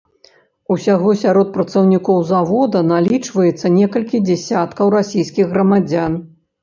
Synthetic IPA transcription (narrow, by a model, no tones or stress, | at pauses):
usʲaɣɔsʲaɾɔt̪̚pɾɐt̪sɐwnʲikɔwzavɔd̪ɐnalʲit͡ʂvɐjɛt̪sːɐnʲɛkɐlʲkʲid͡zʲɛsʲat̪kɐwɾasʲijskʲiɣɣrɐmad͡zʲan